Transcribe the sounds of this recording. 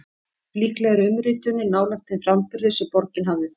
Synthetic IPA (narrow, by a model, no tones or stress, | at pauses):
fliːklɛɣaɾɪʏmɾiːt̪ʏnːɪnaːwlɛxt̪ʰːɛnfɾampʏɾðɪsɛpɔɾcɪnɦavðɪθ